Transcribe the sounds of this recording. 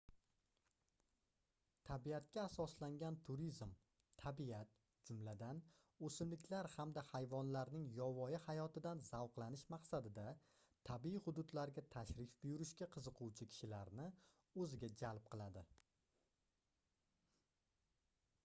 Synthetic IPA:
t̪ʰabiat̪̚kʲaːsɒslaŋɡʲant̪ʰʊɾizm | t̪ʰabiat̪̚ | d͡ʒʊmlad̪an | ɵsɪmlɪkʲʰlaɾhamd̪ahajvɒnlaɾnɪŋjɒvɒjɪhajɒt̪ɪd̪anz̥awqlˠanɪʃmaqsad̪ɪd̪a | t̪ʰabiihʊd̪ʊd̪laɾɡʲat̪ʰaʃɾɪfbɪjʊɾɪʃkʲaqʰɨzɨqʰʊwt͡ʃʰɪkʲʰɪ̥ʃɪlaɾnɪ | ɵzɪɡʲad͡ʒalˠp̚qʰɨlˠad̪ɪ

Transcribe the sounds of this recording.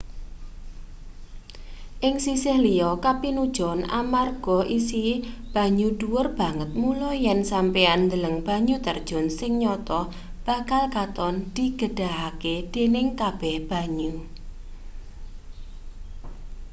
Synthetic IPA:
ʔɪŋsisɪhliɔkapinud̥ʒ̥ɔ̤na̰marɡ̥ɔʔisib̥a̤ɲuɖ̥uwʊrb̥a̤ŋət̪̚mulɔjɛnsampeand̪ələŋb̥a̤ɲut̪ərd̥ʒ̥ɔ̤nsɪŋɲɔt̪ɔ | b̥a̤kalkat̪ɔnd̪̥i̤ɡ̥əɖ̥a̤ɦaked̪̥e̤nɪŋkab̥ɛhb̥a̤ɲu

